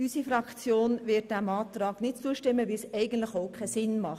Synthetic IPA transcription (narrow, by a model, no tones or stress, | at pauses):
ysifrɑkt͡sjoːnʋɪd̥æmɑːt̪ɾɑːɡ̥nɪt̚t͡suːəʃtɪmːəʋisɛɪɡən̩tlɪχoʊkʰɛsɪnmɑχ